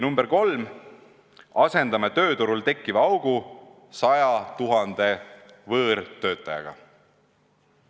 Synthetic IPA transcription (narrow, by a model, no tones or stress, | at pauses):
numbeɾko̞lm | ɑse̞nd̪̥ɑmet̪ø̞ːt̪uɾult̪e̞kːˑivɑɑwɡ̥u | sɑjɑt̪uɦɑnd̪̥e̞ | vɤːɾt̪ø̞ːt̪ːˑɑjɑ̰ɡ̥ɑ̰